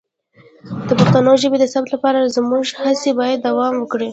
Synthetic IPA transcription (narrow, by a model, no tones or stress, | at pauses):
d̪̥əpaxt̪anoʒəbed̪əsapt̪lapɑɾazmuʒhasebɑjad̪ːawɑmwəkɽi